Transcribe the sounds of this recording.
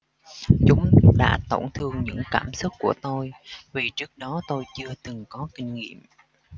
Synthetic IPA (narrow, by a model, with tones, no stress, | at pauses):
t͡ɕʊ˨˦ŋ͡mɗa̰ː˧˥t̪o˧˩wŋ͡mt̪ʰɨ˧əŋɲɨ̰˧˥ŋkaː˧˩msʊ˦˥k̚ku˧˩ət̪o˧jvi˨˩t͡ɕɨ˦˥ək̚ɗɔ˨˦t̪o˧jt͡ɕɨ˧ət̪ɨ˨˩ŋkɔ˨˦kï˧ŋ̟ŋḭ˧˨əm